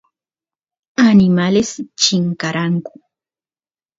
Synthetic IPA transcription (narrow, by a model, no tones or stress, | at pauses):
anɪmalɪst͡ʃɪŋkaɾaŋkʊ̥